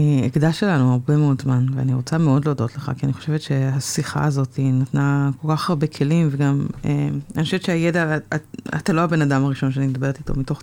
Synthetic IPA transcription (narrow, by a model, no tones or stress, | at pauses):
ieɡd̪aʃe̞lanuaʁbemeo̞dzmanvea̰niʁo̞t͡sameo̞dleːdo̞tleχa̰kianiχo̞ʃe̞vet̪ʃe̞hasiχa̰ːzo̞tʰinatnako̞lkaχaʁbe̞kʰe̞limveɡamea̰nixoʃevett͡ʃʃeajedaa̰t̪aloabe̞nadamaʁiʃo̞nʃeanimed̪abe̞et̪ito̞̰mito̞χ